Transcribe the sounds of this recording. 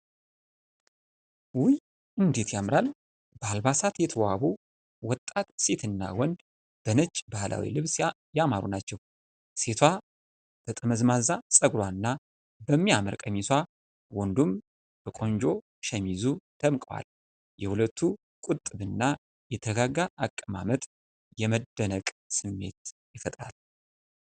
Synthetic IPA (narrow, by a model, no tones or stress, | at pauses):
wʊj | ʔɨnd̪e̞t̪jamɾal | b̥əalbasat̪jɛt̪ʰəwaβu | wɔt̪ʼːat̪se̞t̪ʰɨnːa̰wɔnd̪ | b̥ənət͡ʃʼbahlʔa̰wḭlɨβs | jamaɾṵnat͡ʃːɛw | se̞t̪ʰwa | t̪ʰət̪ʼɨməzmazasʼəɡlwanːa | bəmːiamə̰ɾkʼəmiswa | wɔnd̪um | bəkʼo̞nd͡ʒo̞ | ʃɛmizud̪̥ʰəmkʼəwa̰l | jɛhulət̪ʰːu | kʼut̪ʼːɨβɨnːa | jɛt̪ʰəɡaɡaʔakʼːəma̰mət̪ʼ | jɛməd̪ːənəkʼsɨmːe̞̰t̪jɪfət̪ʼɾa̰l